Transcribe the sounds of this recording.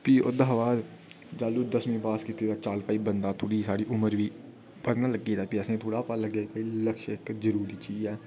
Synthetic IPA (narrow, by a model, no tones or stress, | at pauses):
piːʊ̰d̪aːɦʋaːɾ | d͡ʒaːluːd̪əsmĩːpaːskɪt̪ːeːd̪aːt͡ʃaːlpaːiːbənd̪aːt̪ʰoːɽiːsaːɽiːʔʊməɾʋiː | pəɾnaːləɡeːd̪aːpiɛːsẽːt̪ʰoːɽaːpaːləɡaːpailəkʃɪkzəɾuːɾiːt͡ʃiːzɛː